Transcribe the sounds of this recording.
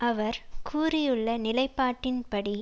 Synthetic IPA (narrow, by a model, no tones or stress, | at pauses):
ɐʋɐɾkʰuːɾɪjɯɭːɐnɪlɐɪpːaːʈːɪnpɐɽi